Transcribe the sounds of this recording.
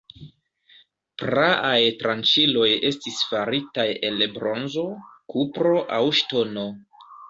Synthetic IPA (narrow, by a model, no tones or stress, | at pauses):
pɾaʔajtɾant͡ʃilo̞je̞stisfaɾitaje̞lbɾo̞nzo̞kupɾo̞ʔawʃto̞no̞